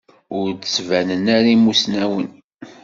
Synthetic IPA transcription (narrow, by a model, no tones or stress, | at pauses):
ʊɾd̪svænənæɾimusnæwən